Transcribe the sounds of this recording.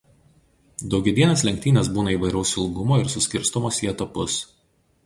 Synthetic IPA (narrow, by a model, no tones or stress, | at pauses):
d̪ɒʊɡʲɛd̪ʲiɛnʲɐslʲɛŋʲk̚ʲt̪ʲiːnʲeːsbuːnɐiːˑʋɐɪɾʲɐʊsʲɪlˠɡʊmoːɪɾsʊsʲkʲɪɾst̪ɔmoːsʲiɛt̪ɐpʊs